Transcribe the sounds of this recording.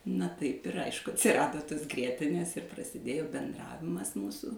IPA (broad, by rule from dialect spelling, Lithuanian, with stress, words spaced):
nɐ ˈtɐɪp ɪr ˈɐɪʃkʊ ɐtʲsʲɪrˈɑːdoː toːs ˈɡrʲiɛtʲɪnʲeːs ɪr prɐsʲɪˈdʲeːjoː bʲɛnˈdrɑːʋʲɪmɐs ˈmuːsuː